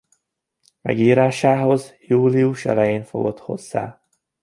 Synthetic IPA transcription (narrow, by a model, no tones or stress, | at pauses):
mɛ̰ɡiːɾaːʃaːɦo̞zjuːliuʃɛ̰lɛjeːnfo̞̰ɡo̞t̪ho̞̰z̥ːa̰ː